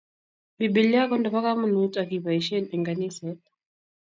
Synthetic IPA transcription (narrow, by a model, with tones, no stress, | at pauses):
biɓi˨lia˦kɔ˦ndɔ˨pa˦ka˦mu˦˨nu˦ta˨ki˨βa˨i˨ʃɛ˦ni˨ŋɡani˦sɛ